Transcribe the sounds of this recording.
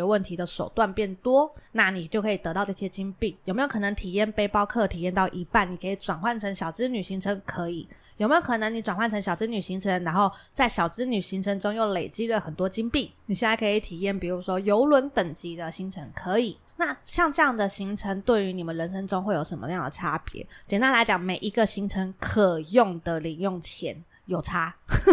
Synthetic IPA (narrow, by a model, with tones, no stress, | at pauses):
wə˥˩nt̪ʰi˧˥d̪ə˨ʂo˨˩ʊt̪wa˥˧npjɛ˥˩nt̪wɔ˥na˥˩ni˨˩t͡ɕjo˥˩ʊkʰɤ˧˥i˨˩t̪ɤ˧˥t̪ɑ˥˧ʊʈ͡ʂɤ˥˩ɕjɛ˥t͡ɕi˥ŋpi˥˩jo˨˩me˧˥jo˨˧˩nə˧˥ŋt̪ʰi˨˩jɛ˥˩npe˥ɪpɑ˥ʊkʰɤ˥˩t̪ʰi˨˩jɛ˥˧nt̪ɑ˥˩ʊʔi˧˥pa˥˩ni˨˩kʰə˧˥i˨˩ʈ͡ʂwa˨˩nxwa˥˩nʈ͡ʂʰə˧˥ŋɕjɑ˨˩ʊʈ͡ʂɻ̩˥ny˨˩ɕi˧˥ŋʈ͡ʂʰə˧˥ŋkʰɤ˧˦˥i˨˩˦jo˨˩me˥jo˧˩ʊkʰɤ˨˩nə˧˥ŋni˧˥ʈ͡ʂwa˨˩nxwa˥˩nʈ͡ʂʰŋɕjɑ˨˩ʊʈ͡ʂɻ̩˥ny˨˩ɕi˧˥ŋʈ͡ʂʰə˧˥ŋɻa˧˥nxo˥˧ʊt͡sa˥˩ɪɕjɑ˨˩ʊʈ͡ʂɻ̩˥ny˨˩ɕi˧˥ŋʈ͡ʂʰə˧˥ŋʈ͡ʂʊ˥ŋjo˥˩ŋle˨˩ɪt͡ɕi˥lə˨xə˨˩nt̪wɔ˥t͡ɕi˥ŋpi˥˩ni˨˩ɕjɛ˥˧na˥˩kʰi˨˩t̪ʰi˨˩jɛ˥˩npi˨˩u˧˥ʂwɔ˥jo˧˥ʊlwə˧˦˥nt̪ə˨˩ŋt͡ɕi˧˥d̪ə˨ɕi˧˥ŋʈ͡ʂʰə˧˥ŋkʰɤ˧˦i˨˩ | na˥˩ɕjɑ˥˧ŋʈ͡ʂɤ˥˧jɑ˥˩ŋd̪ə˨ɕi˧˥ŋʈ͡ʂʰə˧˥ŋt̪we˥˩ɪy˧˥ni˨˩mə˦nɻə˧˥nʂə˥ŋʈ͡ʂʊ˥ŋxwe˥˩jo˨˩ʊʂə˧˥nmə̰˧jɑ˥˩ŋd̪ə˨˩ʈ͡ʂʰa˦˥pjɛ̰˧˦t͡ɕjɛ˨˩nt̪a˥nla˧˥ɪt͡ɕjɑ˨˩ŋme˨˩ɪʔi˧˥ɡə˨ɕi˧˥ŋʈ͡ʂʰə˧˥ŋkʰɤ˨˩jʊ˥˩ŋd̪ə˨li˨˩ŋjo˥˩ŋt͡ɕʰjɛ̰˧˥n | jo˨˩ʊʈ͡ʂʰa˥